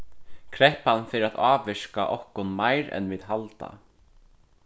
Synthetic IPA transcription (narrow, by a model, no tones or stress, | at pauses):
kʰɾɛhpanːfɪːɾɪɾaðʔaːvɪʂkaʔɔhkʊnmajɾɛ̰nviːðɦalt̪a̰